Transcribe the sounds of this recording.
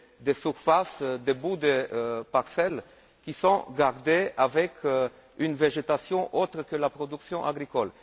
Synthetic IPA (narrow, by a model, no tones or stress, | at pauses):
d̪esyʁfasd̪ebud̪əpaʁsɛl | kʲisɔ̃ɡaʁd̪eavɛk | ynveʒet̪asjɔ̃ʔot̪ʁəkəlapʁɔd̪yksjɔ̃ʔa̰ɡʁikɔl